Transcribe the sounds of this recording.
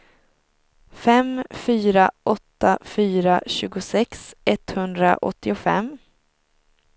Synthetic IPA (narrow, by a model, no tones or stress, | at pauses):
fɛmfyːɾaʔɔt̪ːafyːɾaɕʉ̟ːɡʊsɛksɛt̪hɵnd̪ɾa̰ʔɔ̰t̪ːɪʊfɛ̰m